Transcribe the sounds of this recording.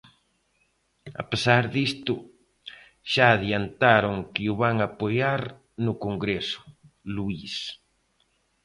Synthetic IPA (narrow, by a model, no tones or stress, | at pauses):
a̰pesaɾðist̪ʊ | ʃaːðjant̪aɾoŋkɪʊβaŋapojaɾ | nʊkoŋɡɾesʊ̥ | luis